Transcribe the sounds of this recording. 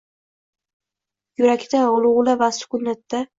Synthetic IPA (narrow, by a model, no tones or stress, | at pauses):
jʊɾakʲt̪aʊlˠʊʁlavasʊ̥kʊnːat̪ːa